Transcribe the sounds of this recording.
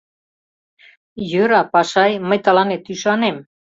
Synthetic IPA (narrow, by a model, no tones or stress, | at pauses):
jøɾɑpɑʃɑjməjt̪ɑlɑnet̪yʃɑnem